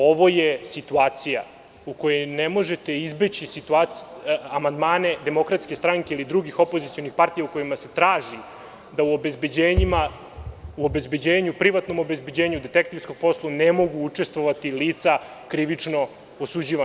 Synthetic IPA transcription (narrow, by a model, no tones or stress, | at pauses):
o̞ʋo̞jesit̪uaːt̪sija | uko̞jenemo̞ʒe̞t̪e̞izbet͡ɕisit̪ua | amand̪maːne̞d̪e̞mo̞kɾat̪skest̪ɾaŋke̞ilid̪ɾuɡixo̞pozit̪sijo̞nixpaɾt̪ijauko̞jimase̞t̪ɾaːʒi | d̪auobe̞zbe̞d͡ʑeːɲima | uo̞be̞zbe̞d͡ʑeːɲupɾiʋat̪no̞mobe̞zbe̞d͡ʑeːɲud̪et̪ekt̪iɾsko̞ɡ̥̚po̞slˠunemo̞ɡuut͡ʂe̞st̪ʋo̞ʋat̪iliːt̪sakɾiʋit͡ʂno̞ | osud͡ʑiːʋa